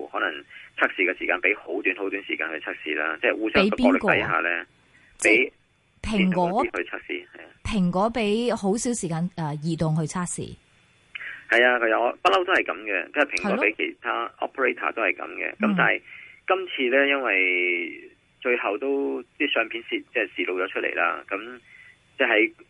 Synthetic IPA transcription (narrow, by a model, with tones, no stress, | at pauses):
hɔː˨˥nɐ˨˩ŋt͡sʰaː˥k̚siː˨kɛ˧siː˨˩kaː˧npe˨˥jho˨˥wt̪yː˨˥nho˨˥wt̪yː˨˥nsiː˨kaː˧nhɵ˧t͡sʰaː˥k̚sḭː˨˩la̰ː˥t͡sɛː˥˩wuː˧se˥˨˥jkiː˥ɔː˧˥lḛ˨kːtɐ˨˥jɦa̰ː˨˧lɛː˥ | t͡sɛ˥˨˥j | pʰɪ˨˩ŋkɔː˨˥hɵ˧t͡sʰa˥k̚sḭː˨hɐ˨˩jaː˧pʰɪ˨˩ŋkʷɔː˨˥pe˨˥jho˨˥wsiː˨˥wsiː˨˩kaː˧nɛː˧jiː˨˩t̪ʊ˨ŋɦɵ˧ɥt͡sʰaː˥k̚sḭː˨˩ | hɐ˨jaː˧kʰɵ˨˧ɐ˨ɔ˧pɐ˥t̚lɐ˥wt̪o˥hɐ˨jkɐ˨˥mɡɛ˧ɐ˥ɐ˨˩pʰɪ˨˩ŋkːɔː˨˥pe˨˥jkʰe˨˩jt̪ʰaː˥ʔɔ̰ː˥pʰə˨ɹe˥jt̪ʰa̰ː˨t̪o˥whɐ˨jkɐ̰˨˧˥mkɛ̰˧kɐ˨˦mt̪aː˨˩jkɐ˥mt͡sʰiː˧lɛː˥jɐ˥nwɐ˨j | t͡ʃɵ˧ɥhɐ˨wt̪o˥wt͡sɛ˥˩sœː˨˧ŋpʰi˨˥nsi˧t͡sɛː˥siː˨˩lo˨˧wt͡ʃɔː˨˧˥t͡ʃʰɵ˥t̚lʔḛ˨˩jla̰ː˥kɐ˨˧˥m | t͡sɛ˥˩hɐ˨˥j